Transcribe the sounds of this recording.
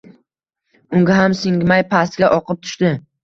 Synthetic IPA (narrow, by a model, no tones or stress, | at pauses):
ʊŋɡʲaɦamsɪŋɡʲmajpʰasɡʲaʔɒqʰɨp̚t̪ʰʊ̥ʃt̪ɪ